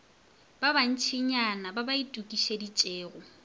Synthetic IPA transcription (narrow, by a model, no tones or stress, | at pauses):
b̥aban̩t͡ʃʰɪɲanababaitʼukʼiʃedit͡ʃʼeːɣʊ